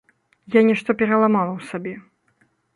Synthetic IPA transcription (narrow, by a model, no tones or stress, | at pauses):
janʲɛʂt̪ɔpʲɛɾɐlˠamalˠɐwsabʲɛ